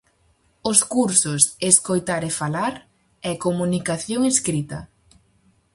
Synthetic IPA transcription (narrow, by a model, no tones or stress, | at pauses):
ʊskuɾsʊseskojt̪aɾefalaɾ | ɛkomunikaθjoŋeskɾit̪ɐ̰